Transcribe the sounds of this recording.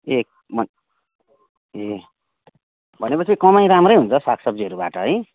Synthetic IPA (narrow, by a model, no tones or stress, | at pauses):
ek̚ | mʌn | e | bʱʌnepʌt͡sʰikʌmajɾamrʌjɦunt͡sʰʌsakʰsʌb̚d͡ziɦʌɾubaʈʌɦʌj